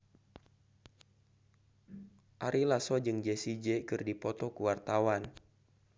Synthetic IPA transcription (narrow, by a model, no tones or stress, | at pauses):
ʔaɾilasɔd͡ʒɨŋd͡ʒesid͡ʒɛkɨrdipɔt̪ɔkuwart̪awan